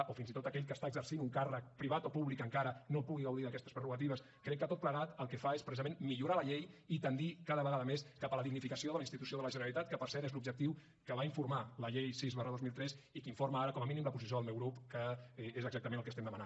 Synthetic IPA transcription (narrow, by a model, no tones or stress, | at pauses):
ʔofinzit̪ot̪əkɛʎkəst̪aəɡzərsinuŋkarək̚pɾiβ̞at̪opuβlikəŋkaɾənopuɣiɣəwðiðəkɛst̪ə̥spɾəruɣət̪̬iβ̞əs | kɾɛkːət̪ot̪̚pləɣat̪əlˠkəfaespɾəizəmẽnmiʎuɾaləʎejit̪ənd̪ikaðəβəɣaðəmeskapələðiɣnifikəsioðələinst̪it̪usioðələʒənəɾəlit̪at̪̚kəpəɾsɛɾezlubʒək̚t̪iw | kəβaiɱfuɾmaləʎejsizβarəðozmilˠt̪ɾɛsikiɱfoɾməaɾəkɔməminimləpuzis̬joðəlˠmewɣɾupkəezəɡzak̚t̪əmẽnəlˠkəst̪ɛmd̪əməna